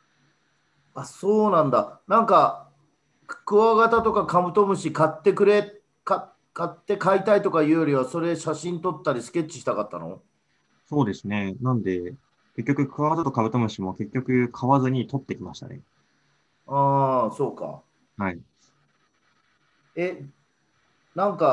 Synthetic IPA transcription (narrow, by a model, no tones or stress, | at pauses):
aso̞ːnãnd̪anãŋka | kɯ̟βaɡat̪at̪o̞kakabɯ̟t̪o̞mɯ̟ɕikat̪ːe̞kɯ̟ɾe̞ | ka | kat̪ːe̞kait̪ait̪o̞kaiɯːjo̞ɾʲiβ̞aso̞ɾe̞ɕaɕĩnt̪o̞t̪ːaɾʲisɨ̥kʲe̞t͡ɕːi̥ɕi̥t̪akat̪ːano̞̰ | so̞ːd̪e̞sɨne̞nãnd̪e̞ | ke̞kʲːo̞kɯ̟kɯ̟βaɡat̪at̪o̞kabɯ̟t̪o̞mɯ̟ɕimo̞ke̞kʲːo̞kɯ̟kʰaβazɨɲ̟it̪o̞t̪ːe̞kʲimaɕi̥t̪a̰nḛ | aːso̞ːka̰ | hai | e̞ | nãŋka